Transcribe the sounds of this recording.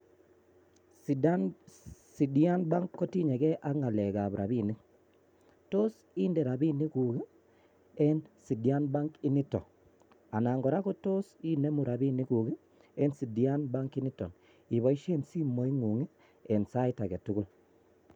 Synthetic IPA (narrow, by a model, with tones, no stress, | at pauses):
s | si˨dia˦nba˦ŋkːɔ˦ti˦ɲe˨kɛ˦ʔa˦ŋa˨lɛ˨ɣa˨βɾʔa̰˨βi˦ni˦ | to˦s | i˦nde˨ɾa˨bi˦ni˦ku˨ɡi˦ | ɛ˦nsi˨di˨a˦nba˦ŋki˦ni˦tɔ˨ | a˨naː˨ŋɡɔ˨ɾa˦ko˦to˦si˦ne˦mu˨ɾa˨bi˦ni˦ku˨ɣi˦ | ɛ˦nsi˨di˦a˦nba˦ŋki˦ni˦tɔ̰˨n | i˨βɔ˨˦i˦ʃe˦nsi˦mo˨˦i˦ŋu˨ŋi˦ | ɛ˨nsa˦i˦ta˨ke˨tu˦ɣu˦l